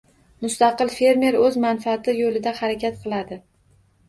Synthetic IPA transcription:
mʊst̪ɑqɨlˠfe̞ɾme̞ɾɵzmanfaːt̪ʰɪjolɪd̪ahaɾakʲat̪̚qʰɨlˠad̪ɪ

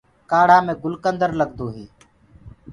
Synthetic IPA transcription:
kaːɽ̤aːmẽːɡʊlkənd̪əɾləɡd̪oːɦiː

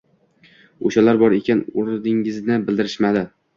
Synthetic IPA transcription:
oʃalaɾbɒɾe̞kʲʰanʊɾd̪ɪŋɪznɪbɪld̪ɪɾɪʃmad̪ɪ

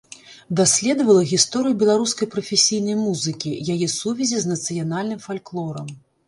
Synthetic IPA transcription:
d̪asʲlʲɛd̪ɐvɐlˠɐɣʲist̪ɔɾɨjubʲɛlˠaɾuskɐjpɾɐfʲesʲijnɐjmuzɨkʲijajɛsuvʲɛzʲiznɐt̪sɨjanalʲnɨmfalʲklˠɔɾɐm

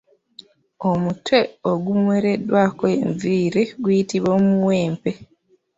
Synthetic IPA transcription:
omutwe̞oɡumweːɾe̞dwakoeɱviːɾiɡwuitiβoːmuweːmpe

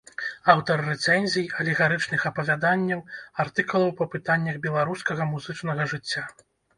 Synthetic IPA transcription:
awt̪ɐɾːɛt̪sɛnʲzʲijɐlʲiɣaɾɨt͡ʂn̪ɨxɐpɐvʲad̪anʲːɐwart̪ɨkulˠɐwpɐpɨt̪anʲːɐɣbʲɛlˠaɾuskɐɣɐmuzɨt͡ʂnɐɣɐʐɨt͡sʲːa

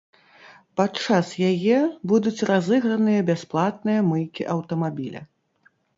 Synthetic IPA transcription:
pat͡ʂasjajɛbud̪ut͡sʲrazɨɣɾɐnɨjɐbʲasplˠat̪̚nɨjɐmɨjkʲiʔɐwt̪ɐmabʲilʲɐ̰

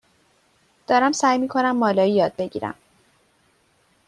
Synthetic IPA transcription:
d̪̥ɒːɾæmsæːjmiːkʰo̞næmːɒːlɒːjijɒːd̪̚be̞ɟḭːɾæ̰m

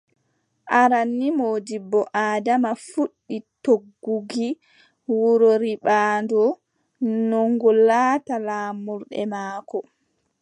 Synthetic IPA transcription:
ʔaɾanːimoːdibɔʔaːdamafuɗːitoɡːuɡi | wuɾoɾiɓaːndɔ | nɔŋɡɔlːaːtalaːmuɾɗɛ̰maːkɔ

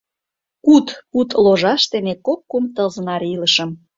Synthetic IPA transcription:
kut̪kut̪loʒɑʃt̪enekokːumt̪ɤlzənɑɾiləʃəm

